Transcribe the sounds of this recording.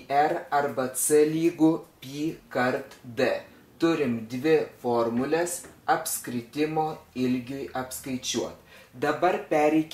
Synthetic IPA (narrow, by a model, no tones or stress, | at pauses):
ɛɾɐɾbɐsɨlʲiːɡʊpʲiːkɐɾt̪d̪ɛ | t̪ʊɾʲɪmd̪ʲʋʲɪfoːɾmʊlʲɛsɐpʲskɾʲɪt̪ʲɪmoːɪlʲɡʲʊjʔɐpskɐɪt͡ʃʲuɔt̪d̪ɐbɐɾpʲæːɾʲɛɪkʲ